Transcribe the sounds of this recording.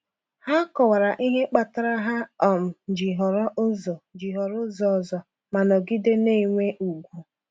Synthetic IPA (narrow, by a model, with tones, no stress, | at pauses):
ha˦kɔ˨wa˨ɾa˨ʔi˦ɦe˦k͡pa˨ta˦ɾa˦ɦa˦ɔ˨m̩˨d͡ʒi˨ɦɔ˨ɾɔ˦ʔʊ˦zɔ˨d͡ʒi˨ɦɔ˨ɾʊ˦zɔ˨zɔ˨ | ma˨nɔ˨ɡi˦de˦ne˦˨ŋʷe˦ʔu˨ɡʷu˦